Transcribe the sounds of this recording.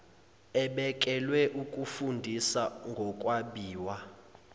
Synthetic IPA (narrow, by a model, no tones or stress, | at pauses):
ɛɓɛk̬ʼɛlwɛʔukʼufundʱisaŋɡʱɔkʼwaɓiːwa